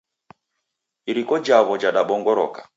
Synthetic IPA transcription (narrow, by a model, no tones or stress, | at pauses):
iɾikɔd͡ʒaβɔd͡ʒaɗaɓɔŋɡɔɾɔ̰kḁ